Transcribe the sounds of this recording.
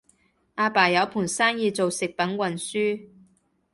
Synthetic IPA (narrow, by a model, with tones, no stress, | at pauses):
ʔaː˧paː˨˩jɐ˨˥wpʰuː˨˩nsaː˥njiː˨˧t͡so˨wsɪ˨k̚pɐ˨˥nkwɐ˨˩nsyː˥